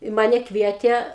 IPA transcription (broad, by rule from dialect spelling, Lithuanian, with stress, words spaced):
ɪ ˈmɑːnʲɛ ˈkʋʲiɛtʲeː